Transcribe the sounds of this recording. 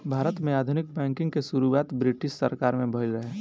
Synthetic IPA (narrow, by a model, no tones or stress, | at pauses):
bʱaːɾət̪mẽaːd̪ʱʊnɪk̚bɛ̃ːŋkɪ̃ŋɡkesʊɾuaːt̪bɾɪʈɪʃsəɾkaːɾmẽbʱəɦɪlɾəɦeː